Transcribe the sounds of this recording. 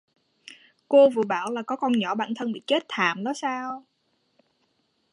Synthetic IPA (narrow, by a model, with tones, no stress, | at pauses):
ko˧vɨ̰˧˨əɓaː˧˩wlaː˨˩kɔ˨˦kɔ˧nɲɔ˧˩˦ɓa̰ː˧˨nt̪ʰə˧nɓḭ˧˨t͡ɕe˦˥t̚t̪ʰaː˧˨˩mɗɔ˨˦saː˧w